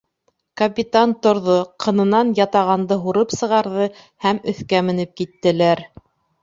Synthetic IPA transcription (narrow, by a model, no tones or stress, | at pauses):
kɐpʲit̪ant̪ŏɾðoqʰɤ̆nɤ̆nɑnjɑt̪ɑʁɑnd̪ɤɦuɾɤpsɤ̆ʁɑɾðɤ | hæmɵ̆θkæmɘ̆nɘp̚kit̪ːɘ̆læɾ